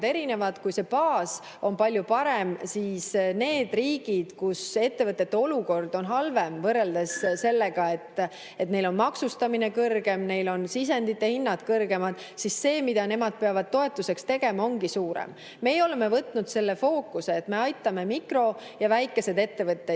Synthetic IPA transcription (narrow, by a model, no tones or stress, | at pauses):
d̪e̞ɾine̞vɑd̪̥kujse̞pɑːs | o̞npɑlʲjupɑɾe̞msiːsne̞ːd̪̥riːɡ̥id̪̥kuse̞t̪ːe̞vɤt̪ːˑe̞t̪ːe̞o̞luko̞rd̪̥o̞nɦɑlve̞mvɤrːe̞ld̪e̞sse̞lːeɡ̥ɑe̞t̪ːˑ | e̞t̪ne̞jlo̞nmɑksust̪ɑminekɤrɡ̥e̞mne̞jlo̞nsis̬e̞nd̪it̪ːˑe̞hinːɑd̪̥kɤrɡe̞mɑd̪̥ | sisse̞ːmid̪̥ɑne̞mɑd̪̥̚pe̞ɑvɑd̪̥̚t̪o̞e̞t̪ːˑuse̞kst̪e̞ɡ̥e̞mɑo̞ŋɡ̥isuːɾḛm | me̞jo̞le̞me̞vɤt̪ːˑnud̪̥se̞lːe̞fo̞ːkːˑuseːt̪ːme̞ɑjt̪ːˑɑme̞mikro̞ | jɑvæjkːˑe̞se̞d̪e̞t̪ːe̞vɤt̪ˑːe